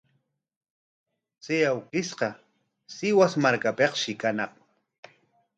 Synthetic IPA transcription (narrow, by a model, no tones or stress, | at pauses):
t͡sejawkɪsqɑ | sɪwasmaɾkapeqʃɪkanɑχ